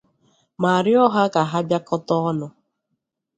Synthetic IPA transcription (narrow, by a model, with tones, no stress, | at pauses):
ma˨a˨ɾɪ˦ɔ˦ɦa˦ka˨ɦa˦bja˦kɔ˦tɔ˦ɔ˦nʊ˦